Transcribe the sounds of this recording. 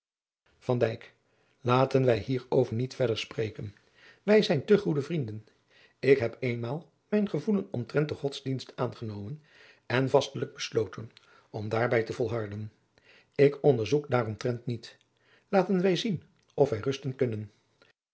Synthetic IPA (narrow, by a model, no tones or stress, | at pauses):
v̥ɑndɛjk | laːtənʋɛjɦiːrowvəɹnitfɛdəɹsprejkən | ʋɛjzɛjntɵχudəvrindən | ɪkɦɛpejnmaːlˠ | mɛjnχəvulənɔmtrɛnt̚dəχɔtzdinstaːnχənowmən | ɛnvɑstələɡ̚bəslowtən | ɔmdaːɹbɛjtəvɔlˠɦɑɹdən | ɪkɔndəɹzukdaːrɔmtrɛntnit | laːtənʋɛjzin | ɔfʋɛjrɵstənkɵnən